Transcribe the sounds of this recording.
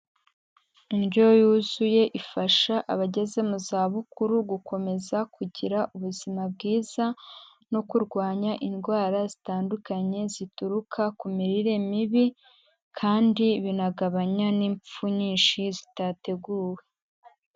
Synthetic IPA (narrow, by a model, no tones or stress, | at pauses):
inɟo̞juːzuje̞ʔifaʃaʔaβaɟe̞ze̞muzaːβukuɾuɡuko̞me̞zakuɟiɾaʔuβuzimab̚ɡiːza | no̞kuɾɡwaːɲaʔinɡwaːɾazitaːndukaɲe̞zituɾukʰakumiɾiɾe̞miβi | kʰaːndiβinaɡaβaɲaniːɱp͡fuɲiːnʃizitate̞ɡuːwe̞